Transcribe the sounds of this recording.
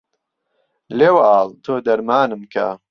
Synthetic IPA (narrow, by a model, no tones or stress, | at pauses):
leːwaːlt̪ʰoːd̪ɐɾmaːnɨmkʰa̰